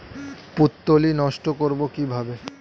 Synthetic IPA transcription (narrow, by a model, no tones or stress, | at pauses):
put̪ːolinɔʃʈokoɾbokibʱabe